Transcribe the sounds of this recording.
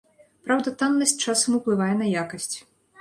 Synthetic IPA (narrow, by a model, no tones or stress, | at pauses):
pɾawd̪ɐt̪anːɐsʲt͡ʂasɐmuplˠɨvajɛnɐjakɐsʲt͡sʲ